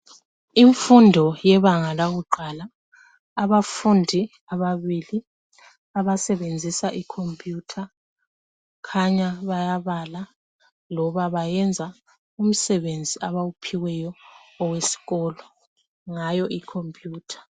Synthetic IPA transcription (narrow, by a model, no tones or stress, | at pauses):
iɱfundʱɔjɛβaŋalaɣuǃʱalaː | βafundʱi | aβaβili | aβasɛβend͡zʱisaʔikʰompʰʼjutʰa | kʰaɲaβajaβala | lɔβaβajɛnd͡zʱa | um̩sɛβend͡zʱiʔaβawupʰiwɛjɔːwesi̥ɣɔːlɔ | ŋajɔʔikʰompʰʼjuːtʰḁ